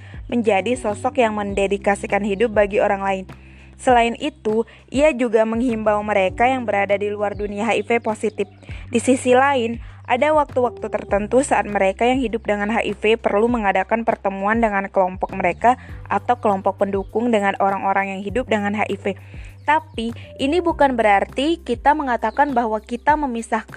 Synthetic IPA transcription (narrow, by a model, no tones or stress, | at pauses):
məɲd͡ʒadisɔsɔkjaŋməndedikasikanɦidʊp̚baɡioɾaŋlaɪn | səlaɪnʔit̪u | ʔiad͡ʒuɡaməŋɦimbawməɾekajaŋbəɾadadiluarduniaɦaifeposit̪ɪf̚ | disisilaɪnʔa̰dawak̚t̪uwak̚t̪ut̪ərt̪ənt̪usaʔat̪̚məɾekajaŋhidʊp̚dəŋanɦaʔifepərluməŋadakanpərt̪əmuandəŋankəlɔmpɔk̚məɾekaʔat̪awkəlɔmpɔk̚pəndukʊŋdəŋanoɾaŋoɾaŋjaŋɦidʊp̚dəŋanɦaʔife | t̪apiinibukanbəɾart̪ikit̪aməŋat̪akanbaɦwakit̪aməmisahk